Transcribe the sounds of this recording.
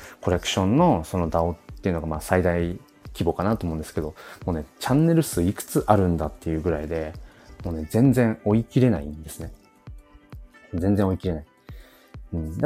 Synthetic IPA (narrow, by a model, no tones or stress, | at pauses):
ko̞ɾe̞kɯ̟̥ɕõ̞nːo̞so̞no̞d̪ao̞t̪ːe̞jiɯ̟no̞ɡamaːsaid̪ai | kʲibo̞kanat̪oːmo̞ɯ̃nd̪ske̞d̪o̞moːne̞t͡ɕãnːe̞ɾɯ̟sɨikɯ̟̥t͡sɨʔaɾɯ̟̃nd̪at̪ːe̞jɯ̟ːɡɯ̟ɾaid̪e̞ | mo̞ːne̞d͡zẽ̞nd͡zẽ̞ɰo̞ikʲiɾe̞na̰ĩnd̪e̞sɨne̞ | d͡zẽ̞nd͡zẽ̞o̞ikʲiɾe̞nai | ɯ̟̃ɴd̪a